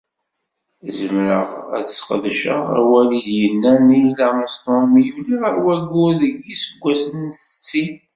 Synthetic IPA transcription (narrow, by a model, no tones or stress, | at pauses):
zəmɾəʁæ̰ðəsqəðʃə̰ʁæ̰wæliðjənːænilænəst̪ˤɑmijuliʁəɾwæɡːʊɾðəɡːisəɡʷːæsənsə̥t͡sːin